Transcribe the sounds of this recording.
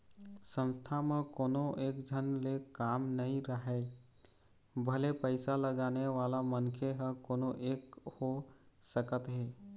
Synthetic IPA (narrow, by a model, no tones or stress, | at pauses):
sə̃nst̪ʰamẽkoːnõʔeːkd͡ʒʱənlekaːmnəɦĩɾəɦɛ | bʱəlepəɪsaləɡaːneʋaːlamənkʰeɦə̃koːnoʔeːkho | səkət̪ɦeː